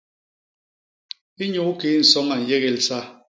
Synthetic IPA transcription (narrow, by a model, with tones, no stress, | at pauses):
i˦ɲu˨˦u˦keː˨˦n̩˨sɔ˦ŋa˨n̩˨je˦ɣɛ˨lsa˦